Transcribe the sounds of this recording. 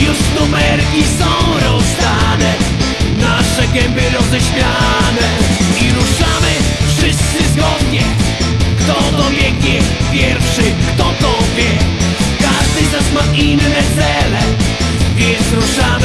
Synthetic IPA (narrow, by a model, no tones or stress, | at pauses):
juʂnumɛɾkʲisɔ̃w̃ɾɔsd̪anɛ | naʂɛɡɛmbɘɾɔzɛɕmʲjanɛiɾuʂamɘfʂɪst̪sɨzɡɔd̪ɲɛ | kt̪ɔt̪ɔvʲjɛɡʲjɛpʲjɛɾfʂɘkt̪ɔt̪ɔvʲjɛ | kaʐd̪ɘznasmaʔinːɛt̪sɛlɛ | vʲjɛ̃nt̪sɾuʂam